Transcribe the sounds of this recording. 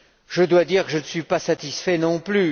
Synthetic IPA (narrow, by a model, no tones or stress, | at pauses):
ʒəd̪wad̪iʁkəʒənəsɥipasat̪isfɛnɔ̃ply